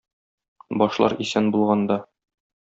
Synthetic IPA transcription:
bɒʃlˠɑ̰ɾisænbulˠʁɑnd̪ɑ

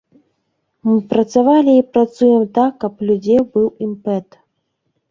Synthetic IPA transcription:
mɨpɾɐt̪savalʲiːpɾat̪sujɛmt̪akːɐplʲud͡zʲewbɨwimpɛt̪

